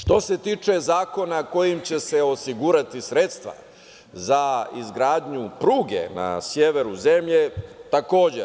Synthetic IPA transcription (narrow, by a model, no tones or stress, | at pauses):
ʃt̪o̞se̞t̪iːt͡ʂe̞zaːko̞nako̞jimt͡ɕe̞se̞o̞siɡuɾat̪isɾe̞t̪st̪ʋa̰ | zaizɡɾaːd̪ɲupɾuːɡe̞̰na̰sjeʋe̞ɾuze̞mʎe̞t̪ako̞ːd͡ʑe